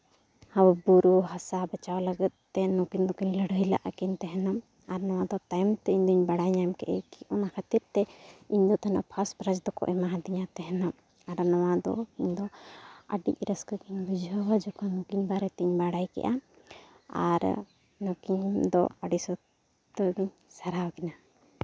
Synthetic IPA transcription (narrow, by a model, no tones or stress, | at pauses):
hawbuɾuɦasabət͡ʃawləɡət̪̚t̪ːɛnɔ̃kiɲd̪ɔkiɲləɽəjla̰ʔakint̪ɛɦɛnɔm | aɾnɔwad̪ɔt̪ajmt̪ɛiɲd̪ɔiɲbaɽajɲajmkɛʔɛkiɔnakʰət̪iɾt̪ɛiɲd̪ɔt̪ana̰ʔpʰaspɾad͡ʒd̪ɔkɔ̰ʔɛmaɦãd̪iɲat̪ɛɦɛnɔm | aɾnɔwad̪ɔ̰iɲd̪ɔəɖḭc̚ɾəskəɡiɲbid͡ʒʱəwad͡ʒɔkanukiɲbaɾɛt̪ɛɲbaɽajkɛ̰ʔa | a̰ɾ | nɔ̃kiɲd̪ɔ̰aɖisɔ | t̪əɡiɲ | saɾawkɛna